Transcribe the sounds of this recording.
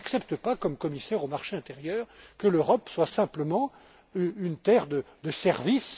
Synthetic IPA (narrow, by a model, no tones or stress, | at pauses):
aksɛpt̪əpakɔmkɔmisɛʁomaʁʃeɛ̃t̪eʁjœːʁkəløʁɔpswasɛ̃pləmɑ̃ | yynt̪ɛʁd̪əd̪əsɛʁvis